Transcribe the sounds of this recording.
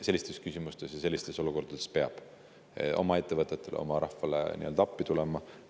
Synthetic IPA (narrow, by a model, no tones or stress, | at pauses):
se̞lʲːist̪e̞skysʲimust̪e̞sjɑse̞lːist̪e̞so̞luko̞rɾd̪̥ɑd̪̥e̞spe̞ɑb̥ | ʔo̞̰mɑe̞t̪ˑːe̞vɤt̪ːˑe̞t̪ːˑe̞lḛomɑɾɑhfɑlḛnḭø̞ld̪ɑɑpːit̪ule̞mɑ